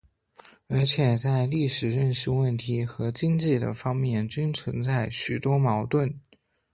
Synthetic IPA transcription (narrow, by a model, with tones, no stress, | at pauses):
ə˞˧˥t͡ɕʰjɛ˨˩t͡sa˥˧ɪli˥˩ʂɻ̩˨˩ɻə˥˧nʂɻ̩˥˧wə˥˩nt̪ʰi˧˥xɤ˧˥t͡ɕi˥ŋt͡ɕi˥˩d̪ə̰˩fɑ˥ŋmjɛ˥˩nt͡ɕy˥nt͡sʰwə˧˥nt͡sa˥˩ɪɕy˨˩t̪wɔ˥mɑ˧˥ʊt̪wə˥˩n